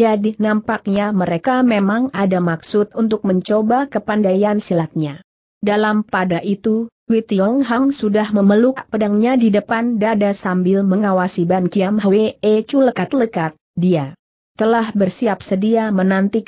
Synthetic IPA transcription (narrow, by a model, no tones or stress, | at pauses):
d͡ʒadinampak̚ɲaməɾekamemaŋadamaksʊt̪̚unt̪ʊk̚məɲt͡ʃobakəpandajansilat̪̚ɲa | dalampadaʔit̪ukwit̪iɔŋɦaŋsudahməməlukpədaŋɲadidəpandadasambɪlməŋawasibankiamɦəweet͡ʃuləkat̪ləkat̪̚dia | t̪əlahbərsiap̚sədiamənant̪i